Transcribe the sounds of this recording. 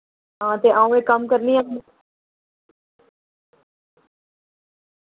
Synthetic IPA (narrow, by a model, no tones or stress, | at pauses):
ɦãːt̪eʔaːũẽkəmkəɾniãmu